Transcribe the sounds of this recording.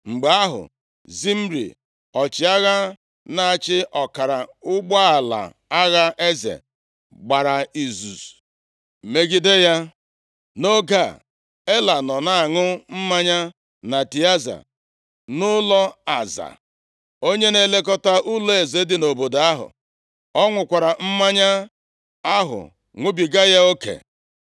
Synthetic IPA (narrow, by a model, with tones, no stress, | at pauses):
ŋ͡m̩˨ɡ͡ba˨a˦ɦʊ̰˨ | zi˦m̩˦ɾḭ˨ | ɔ˨t͡ʃɪ˨a˦ɣa˦ | na˨a˨t͡ʃɪ˦ʔɔ˨ka˨ɾa˨ʊ˦ɡ͡bɔ˦a˨la̰˨ | a˦ɣa˦ʔe˦zḛ˨ | ɡ͡ba˨ɾa˨i˨zu˨s̩˨ | me˦ɡɪ˦de˦ja˦ | no˦ɡa˦˨ | e˦la˨nɔ˨na˨a˨ŋʊ˦m̩˦ma˦ɲa˦ | na˨ti˨a˦za̰˨ | nʊ˦lɔ˦a˨za̰˨ | o˦ɲe˦ne˦le˦kɔ˦ta˦ʔʊ˦lɔ˦e˨ze˨˦dɪ˨no˨bo˨da˦ɦʊ̰˨ | ɔ˦ŋʷʊ˨kʷa˨ɾa˨m̩˦ma˦ɲa˦ | a˦ɦʊ̰˨ | ŋʷʊ˦bi˨ɡa˦ja˦o˦kḛ˨